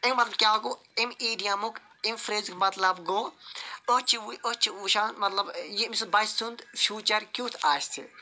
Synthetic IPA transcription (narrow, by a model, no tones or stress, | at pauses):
ekmɐt̪lɐbkʲaːku | imiːɖijɐmuk | imfɾeːzikmɐt̪lɐbɡoːot͡ʃʰiuot͡ʃiuːʃaːnmɐt̪lɐbjimisbɐssʰund̪fʲjuːt͡ʃɐɾkʲuːt̪ʰaːst̪ʰḭ